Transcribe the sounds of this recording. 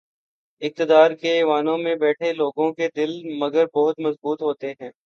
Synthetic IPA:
ɪk̚t̪ɪd̪aːɾkeʋaːnõmẽbɛːʈʰeloːɡõked̪ɪlmɐɡəɾbɔɦʊt̪mɐzbuːt̪ɦoːt̪eɦɛ̃ː

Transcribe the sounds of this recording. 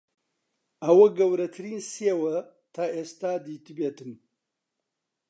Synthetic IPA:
ɐwɐɡɐwɾɐt̪ʰɨɾiːnseːwɐ | t̪ʰaːʔeːst̪aːd̪iːt̪ɨbeːt̪ɨm

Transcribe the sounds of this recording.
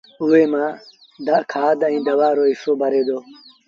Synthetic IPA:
uːeːmãː | d̪akʰaːd̪ə̃ĩːd̪əʋaːɾoːɪsoːbʱəɾeːd̪oː

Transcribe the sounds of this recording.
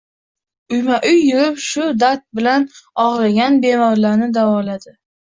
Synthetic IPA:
ʊjmaʔʊjːʊɾɪpʃʊd̪aɾt̪̚bɪlanɒʁɾaɡʲanbe̞mɒɾlaɾnɪd̪avɒlad̪ɪ

